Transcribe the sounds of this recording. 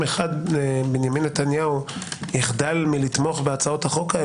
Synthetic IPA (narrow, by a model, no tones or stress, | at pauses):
eχad̪binjaminːet̪anjauiχd̪almilit̪mo̞χbeat͡sao̞t̪haχo̞ka